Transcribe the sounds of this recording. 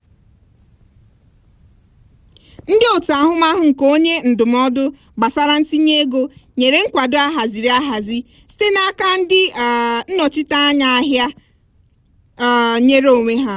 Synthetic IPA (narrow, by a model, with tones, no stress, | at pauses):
n̩˦dɪ˦o˨ta˨ɦʊ˦ma˦ɦʊ˨ŋ̩˨ko˦ɲe˦n̩˨dʊ˨m˦ɔ˦dʊ˦ | ɡ͡ba˨sa˦ɾa˦n̩˦ti˦ɲe˦ɡo˦ɲe˨ɾe˨ŋ̩˦kʷa˨dʊ˦a˦ɦa˨zi˨ɾi˨˦a˦ɦa˨zi˦ | si̥˦te˦na˦ka˦n̩˦dɪ˦˨n̩˦nɔ˨t͡ʃɪ˦ta˦a˦ɲa˨a˦ɦja˦˨ | ɲe˦ɾo˨ŋʷe˦ɦa˦